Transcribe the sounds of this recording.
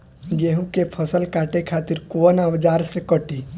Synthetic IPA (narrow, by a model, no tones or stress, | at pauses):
ɡeːɦũkepʰəsəlkaːʈekʰaːt̪ɪɾkuənaʋd͡ʒaːɾsekəʈiː